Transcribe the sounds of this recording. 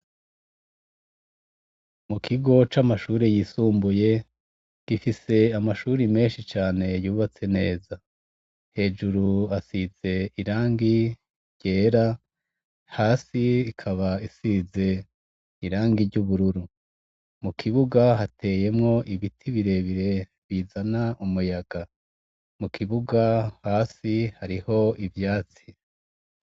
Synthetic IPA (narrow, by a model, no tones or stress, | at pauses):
mukʰiɡo̞t͡ʃamaʃuːɾejiːsuːmbuje̞ | ɡ̥ifise̞amaʃuːɾime̞ːnʃit͡ʃaːne̞juːβat͡se̞ne̞ːza | he̞ːd͡ʒuɾuasize̞iɾaːŋɡi | ɾɟe̞ːɾa | haːsiikʰaβaisize̞ | iɾaːŋɡiɾɟuβuɾuɾu | mukʰiβuɡaɦate̞je̞mŋo̞ʔiβitʰiβiɾe̞βiɾe̞ | βizanaʔumujaɡa | mukʰiβuɡahaːsihaɾiho̞ivjaːt͡si